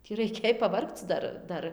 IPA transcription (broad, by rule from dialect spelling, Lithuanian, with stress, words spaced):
tʲiː rɐɪˈkʲeːj pɐˈʋɐrkt͡s ˈdɐr ˈdɐr